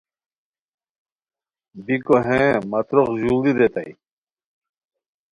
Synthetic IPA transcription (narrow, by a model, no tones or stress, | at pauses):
bikoɦẽmɐt̪ɾoqʑuliɾet̪aj